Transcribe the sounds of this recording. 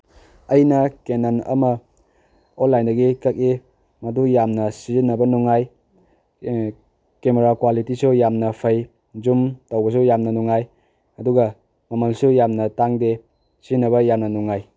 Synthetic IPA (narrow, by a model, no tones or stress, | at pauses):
ɐjnɐkenanɐ̰mɐ | onlajndɐɡikɐk̚i | mɐdujamnɐsizinːɐbɐnuŋaj | kemeɾakwalitisujamnɐpʰɐj | d͡ʒumtowbɐs̬ujamnɐnuŋaj | ɐduɡɐ | mɐmɐlsujamnɐtaŋde | sizinːɐβɐjamnɐnuŋaj